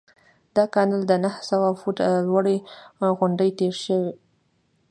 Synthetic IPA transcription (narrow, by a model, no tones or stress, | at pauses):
d̪̥ɑkɑnald̪ənahsawafuʈalwaɽiɣʊɳɖəjt̪eɾʃəwi